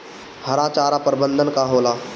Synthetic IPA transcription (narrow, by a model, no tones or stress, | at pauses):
həɾaːt͡ʃaːɾapəɾbə̃nd̪ʱənkaɦoːlaː